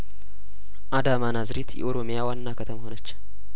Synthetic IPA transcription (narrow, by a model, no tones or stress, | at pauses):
ʔad̪amanazɾit̪jɛ̰ʔoɾo̞mijawanːakʰət̪ʰəmhonət͡ʃː